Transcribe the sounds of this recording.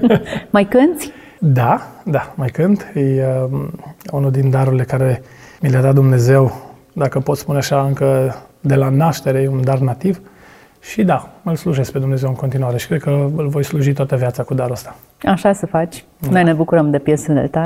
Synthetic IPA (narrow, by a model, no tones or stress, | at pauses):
majkɨnt̪sʲ | d̪ad̪amajkɨnt̪jə | unuld̪ind̪aɾuɾile̞kaɾe̞ | milead̪at̪̚d̪umne̞ze̞w | d̪akəpo̞t̪spuneaʃaɨŋkəd̪e̞lanaʃt̪e̞ɾe̞und̪arnat̪iv | ʃid̪aɨlsluʒe̞z̥pe̞d̪umneze̞wɨŋko̞nt̪inuaɾe̞ʃikɾe̞d̪̚kəɨlvo̞jsluʒit̪oat̪əvjat̪sakud̪aɾost̪ḁ | aʃasəfat͡ʃʲ | nojnebukuɾəmd̪epjesəd̪ḛt̪a